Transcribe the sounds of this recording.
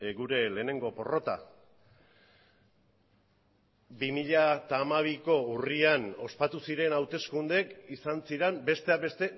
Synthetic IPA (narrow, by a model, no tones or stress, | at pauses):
ɡuɾe̞le̞ːne̞ŋɡo̞po̞ro̞t̪a̰ | bimiʎat̪aːmaβ̞iko̞uriano̞spat̪usiɾe̞nawt̪e̞skund̪e̞kisansiɾembe̞st̪e̞abe̞st̪e̞